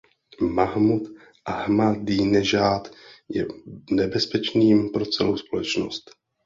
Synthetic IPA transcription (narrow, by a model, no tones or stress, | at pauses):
maɦmut̪ | ʔahmadiːnɛʒaːt̪jɛ̰nɛbɛspɛt͡ʃniːmpɾo̞t͡sɛlowspolɛt͡ʃnost̪